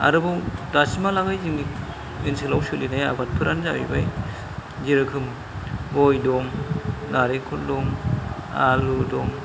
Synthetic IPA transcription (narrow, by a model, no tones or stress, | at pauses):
a̰ɾɯbɔdasimalaɡajziŋni | inselawsɯlinajabat̚pʰɯɾanzaibaj | ziɾɯkʰɯm | bɔjdɔŋnaɾekʰɔldɔŋ | a̰ludɔŋ